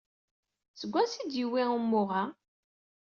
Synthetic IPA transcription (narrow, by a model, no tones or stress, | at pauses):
səɡʷːænsid̪jiwiʁumːʊʁa